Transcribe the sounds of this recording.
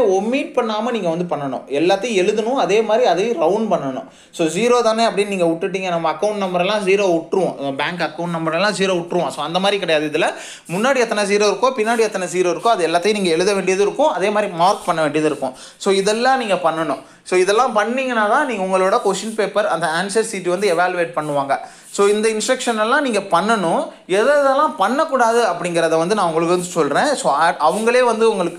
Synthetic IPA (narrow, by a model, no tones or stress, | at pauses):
ɔmːiːʈ̚pɐɳːaːmɐniːŋɡɐʋɐnd̪ɯpɐɳːɐɳʊ̰̃ɛlːaːt̪ːɐj̃ɛɻɯðɐnʊ̃ɐðeːmaːd̪ɾiɐðɐj̃ɾɐʊnpɐɳːɐɳʊ̰̃ | soːziːɾoːt̪aːneːɐp̬ːɐɽɪnniːŋɡɐʊʈːɯʈ̬ːiːŋɡɐnɐmːɐɐkːɐʊ̃ɳʈnɐmbɐɾɛlːãːsiːɾoːʊʈːɾɯʋõnɐmɐbaːŋkɐkːɐʊ̃ɳʈnɐmbɐɾɛlːãːziːɾoːʊʈːɾɯʋõsoːɐnd̪ɐmaːd̪ɾikɪɽɐjaːðɯɪðɪlɐ | mʊnːaːɽiɛt̪ːɐnɐsiːɾoːɪɾɯkːõːpɪnːaːɽiɛt̪ːɐnɐsiːɾoːɪɾɯkːʊ̃ːɐðɯɛlːaːt̪ːɐjʊ̃niːŋɡɐɛɻɯðɐʋeːɳɖɪjɐðɯɪɾɯkːʊ̃ɐðeːmaːd̪ɾimaːɾkpɐɳːɐʋeːɳɖɪjɐðɯɪɾɯkːʊ̰̃ | soːɪðɛlːãːniːŋɡɐpɐɳːɐnʊ̃ | soːɪðɛlːãːpɐɳːiːŋɡɐnːaːt̪ãːniːŋɡɐʊŋɡɐɭoːɽɐkoːʂɪnpeːpːɐɾɐnd̪ɐaːnsɐɾsiːʈːiʋɐnd̪ɯɛʋaːljʊʋeːʈ̚pɐɳːɯʋaːŋɡɐ | soːɪnd̪ɐɪnsʈɾɐkʂɐnɛlːãːniːŋɡɐpɐɳːɐnʊ̃ | ɛðɐðɛlːãːpɐɳːɐkːuːɽaːðɯɐpːɐɽɪŋɡɪɾɐðɐʋɐnd̪ɯnãːʊŋɡɐɭɯkːɯʋɐnd̪ɯsɔlɾẽːsoːɐɐʋɐŋɡɐɭeːʋɐnd̪ɯʊŋɡɐɭɯkː